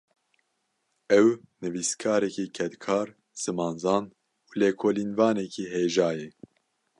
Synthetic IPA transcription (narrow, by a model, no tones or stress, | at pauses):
ɛwnɨviskʰɑːɾɛkikʰɛt̪kʰɑːɾ | z̥ɨmɑːnzɑːn | uːleːkʰoːliːnvɑːnɛkʰiːɦeːʒɑːjɛ